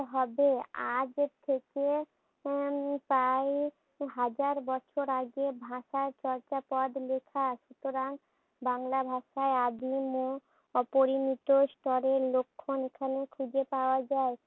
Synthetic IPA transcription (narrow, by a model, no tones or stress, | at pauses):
ɦɔbea̰d͡ʑt̪ʰeke | pae | ɦad͡ʑaɾbɔt͡ɕʰoɾaɡebʱãʃaɾt͡ɕɔɾt͡ɕapɔd̪lekʰaʃut̪oɾaŋ | baŋlabʱaʃaead̪imo | ɔpoɾinit̪osʈɔɾeɾlokʰːonekʰanekʰud͡ʑepaoad͡ʑae